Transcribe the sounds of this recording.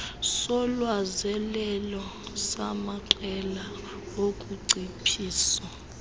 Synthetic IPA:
sɔlwazɛlɛlɔsamaǃɛla | okʼuǀʱipʰiːsa

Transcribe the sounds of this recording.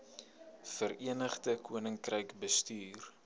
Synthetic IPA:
fəɾiənəχdəkʰuənəŋkrəjkbəstyːr

